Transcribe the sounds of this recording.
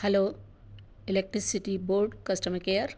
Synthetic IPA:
hɛloː | ilek̚ʈɾisiʈiboːɾɖkɐsʈəmɐkejəɾ

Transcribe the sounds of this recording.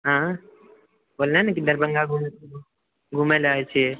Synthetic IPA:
ɦã | boːlnanakid̪əɾbə̃ŋɡaɡʱum | ɡʱumelaːet͡ʃʰe

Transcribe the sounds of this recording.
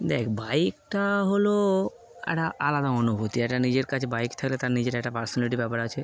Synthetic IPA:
d̪ɛkʰbajkʈaɦolo | ɛ̰ʈaʔalad̪aɔnubʱut̪iɛʈanid͡ʑeɾkat͡ʃʰebaikt̪ʰakelet̪aɾnid͡ʑeʈaɛʈapaɾsɔnaliʈibɛpaɾat͡ʃʰe

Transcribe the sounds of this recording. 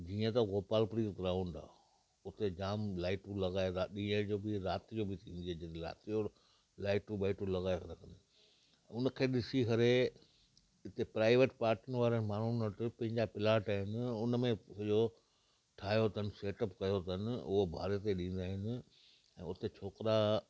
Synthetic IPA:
d͡ʑiːə̃t̪ɐɣoːpaːlpɾiːtɡɾãːʊ̃ɳɖa̰ː | ʊt̪ed͡ʑaːmlaːɪʈũlɐɣaːeɾaɗĩːə̃d͡ʑoːbɪɾaːt̪id͡ʑoːbʱɪt̪ʰĩːnd̪iɦed͡ʑɪɾa̰ːt̪id͡ʑo | laːɪʈũbaːɪʈũlɐɣaːesɐt̪akɐ̃nd̪ | ʊnəkʰeːɗɪsiɦɐɾe | ɪt̪epɾaːɪʋeʈpaːɾʈənɪ̆ʋaːɾəmaːɳ̤unəʈɪpɐ̃ɦɪ̃ɲd͡ʑapɪlaːʈaːɦɪnɪ̆ʊnmẽsɐd͡ʑo | ʈʰaːjot̪ʰənɪ̆seːʈəpkɐjot̪ʰənɪ̆ʊ̰ɦobʱa̰ːɾet̪eɗĩːn̆d̪aːɦɪnɪ̆ | ɛ̰̃ːʊt̪et͡ɕʰoːkɾa

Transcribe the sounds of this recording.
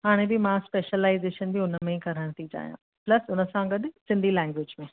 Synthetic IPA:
ɦaːɽ̃ẽbɪmãspeːʃəlaːɪzeːʃənbiʊnəmẽkɐɾəɽ̃t̪ʰid͡ʑa̰ːijã̰ː | plɐsʊnə̆sãɡɐɗsɪ̃nd̪ʱilɛ̃ːŋɡʋɪːd͡ʑmẽː

